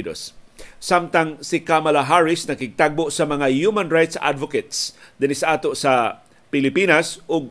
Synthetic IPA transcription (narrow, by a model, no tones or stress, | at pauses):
d̪o̰sːamt̪aŋsɪkamɐlaɦaɹɪsnɐɡɪɡ̚t̪aɡ̚boʔsɐmɐŋahjumãnɹajt̪sʔa̰d̪voket̪sd̪ɪnɪsaʔaːt̪osɐ | pɪlɪpiːnɐsʔʊɡ̚